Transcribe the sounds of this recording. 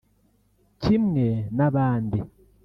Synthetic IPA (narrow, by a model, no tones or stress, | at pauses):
cimŋenaβaːndi